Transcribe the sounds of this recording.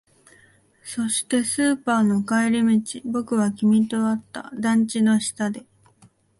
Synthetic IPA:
so̞ɕi̥t̪e̞sɨːpaːno̞kaeɾʲimʲit͡ɕibo̞kɯ̟βakʲimʲit̪o̞βat̪ːa̰d̪ãɲ̟t͡ɕino̞ɕi̥t̪ad̪e̞

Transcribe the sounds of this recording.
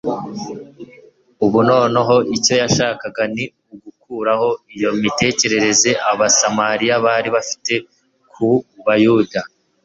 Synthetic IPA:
uβuno̞ːno̞ɦo̞ʔico̞jaʃaːkaɡani | uɡukuːɾaho̞ijo̞mite̞ːce̞ɾe̞ɾe̞ze̞ʔaβasamaɾijaβaːɾiβafi̥te̞ | kʰuβajuda

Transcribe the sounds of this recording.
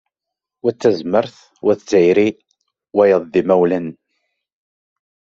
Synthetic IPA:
wæt͡sːæzməɾθ | wæθt͡sːʕiɾi | wæjəðˤðimæwlæn

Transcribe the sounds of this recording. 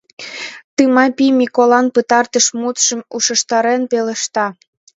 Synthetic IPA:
t̪ɯmɑpimʲikolɑnpət̪ɑrt̪əʃmut̪ʃəmuʃə̆ʃt̪ɑɾenpeleʃt̪ɑ

